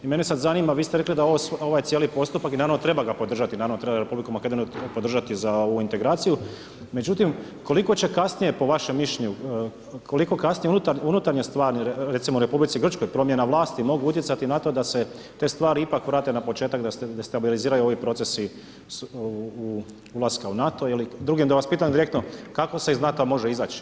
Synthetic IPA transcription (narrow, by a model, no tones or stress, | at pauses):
ime̞nesad̪zanimaʋiːst̪eɾe̞klid̪aoʋosoʋajt̪jelipo̞st̪upakinaːɾaʋnot̪ɾe̞baɡapo̞d̪r̩ʒat̪inaːɾaʋnot̪ɾebaɾe̞publikumake̞d̪onupo̞d̪ɾr̩ʒat̪izaoʋuint̪e̞ɡɾaːt̪siju | me̞d͡ʒut̪im | ko̞liko̞t͡ɕe̞kasnije̞po̞ʋaʃemːiʃeɲu | kʰo̞liko̞kasnijeunut̪aɾunut̪aɾɲest̪ʋaːɾɾesimouɾe̞publit̪siɡr̩t͡ʃko̞jpɾomje̞naʋlˠaːst̪imo̞ɡuut̪jet̪sat̪inat̪o̞d̪ase̞t̪e̞st̪ʋaːɾiipakʋɾaːt̪e̞napo̞t͡ʃe̞ːt̪akd̪ast̪ed̪est̪abiliziːɾajuo̞ʋipɾo̞t̪sesi | u | ulˠaskaunat̪o̞ilid̪ɾuɡimd̪aʋaspiːt̪amd̪iɾe̞kt̪nokako̞seiznat̪oamo̞ʒe̞izaːt͡ʃi̥